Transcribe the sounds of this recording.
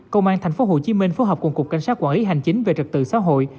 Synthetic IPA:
kə˧wŋ͡mʔaː˧nt̪ʰa˨˩jŋ̟fo˨˦ɦo̰˧˨t͡ɕi˨˦mï˧ŋ̟fo˨˦ɦɔː˨˩p̚ku˧˩ŋkʊ˨˩k͡pka˧˩jŋ̟saː˦˥kwaː˧˩nli˨˦ɦa˨˩jŋ̟t͡ɕï˨˦ŋ̟ve˨˩t͡ɕɨ˨˩k̚t̪ɨ̰˧˨sa̰ː˧˥ɦo̰˧˨j

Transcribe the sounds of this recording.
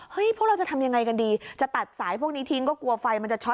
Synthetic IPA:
hɤ˦˥jpʰu˥˩kɾa˧wt͡ɕa˨˩t̪ʰa˧mja˧ŋːa˧jka˧ndiː˧t͡ɕa˨˩t̪a˨˩t̪̚saː˩˦jpʰu˥˩k̚niː˦˥t̪ʰi˦˥ŋk̬ɔː˥˩ku˧ɐfa˧jma˧nt͡ɕa˨˩t͡ɕʰɔ˦˥

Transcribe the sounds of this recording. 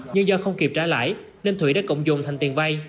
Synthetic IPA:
ɲɨ˧ŋzɔ˧xə˧wŋ͡mki˨˩p̚t͡ɕaː˧˥la̰ː˧˥˨j | ne˧nt̪ʰwi˧˩˦ɗaː˧˥kə̰˧˨wŋ͡mzʊ˨˩ŋ͡mt̪ʰa˨˩ŋ̟t̪i˨˩ŋva˧j

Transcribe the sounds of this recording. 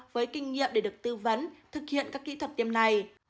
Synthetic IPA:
vəː˨˦jkï˧ŋ̟ŋḭ˧˨əmɗe˧˩ɗɨ˨˩ək̚t̪ɨ˧və˨˦nt̪ʰɨ˨˩k̚hḭ˧ənkaː˦˥kːḭ˧˥t̪ʰwə˨˩t̚t̪i˧əmna˨˩j

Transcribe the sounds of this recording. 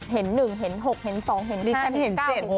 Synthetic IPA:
ɦe˩˦nːɯ˨˩ŋɦe˩˦nɦo˨˩k̚he˩˦nsɔː˩˦ŋɦe˨˩˦ni˧˦˥a˧˨he˩˦naː˥e˨˩˧

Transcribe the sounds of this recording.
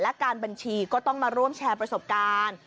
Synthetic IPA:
lɛ˦˥kaː˧nba˧nt͡ɕʰiː˧kɔː˥˩t̪ɔ˥˩ŋmaː˧ɾu˥˩əmt͡ɕʰɛː˧pɾa˧so˨˩p̚kaː˧n

